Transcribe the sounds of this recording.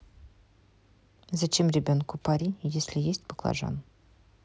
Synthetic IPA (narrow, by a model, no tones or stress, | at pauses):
zat͡ɕemrʲebʲonkʊpaɾʲijesʲlʲɪjesʲtʲbəklˠa̰ʐa̰n